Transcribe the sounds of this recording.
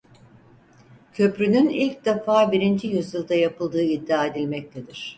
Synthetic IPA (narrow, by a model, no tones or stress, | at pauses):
cʰø̞pɾynynilʲc̚d̪efaːbiɾind͡ʒijyzjɯlˠd̪ajapɯlˠd̪ɯːid̪ːaːe̞d̪ilʲmɛc̚t̪ʰed̪iɾ̥